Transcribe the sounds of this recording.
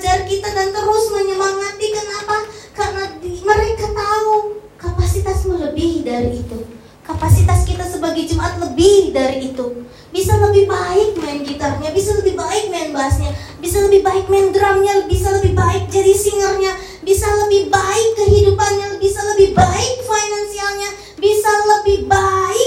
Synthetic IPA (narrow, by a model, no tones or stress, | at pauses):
d͡ʒarkit̪adant̪əɾʊsməɲəmaŋat̪ikənapakarənadiməɾekat̪aukapasit̪asmuləbɪhdaɾiːt̪u | kapasit̪askit̪asəbaɡajd͡ʒəmaʔat̪̚ləbɪhdaɾiːt̪u | bisaləbɪhbaɪk̚maɪnɡit̪arɲabisaləbɪhbaɪk̚maɪnbaɦasɲa | bisaləbɪhbaɪk̚maɪndɾamɲaəbisaləbɪhbaɪk̚d͡ʒadisiŋərɲa | bisaləbɪhbaɪkːəɦidupanɲabisaləbɪhbaɪk̚fajnansialɲa | bisaləbɪhbaɪk̚